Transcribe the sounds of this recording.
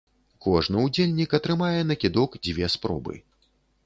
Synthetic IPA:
kɔʐnɨwd͡zʲelʲnʲikɐt̪ɾɨmajɛnɐkʲid̪ɔkd͡zʲvʲɛspɾɔ̰bɨ̰

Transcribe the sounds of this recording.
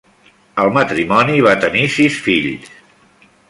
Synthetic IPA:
əlˠmət̪ɾimɔniβ̞at̪ənisisfiʎs

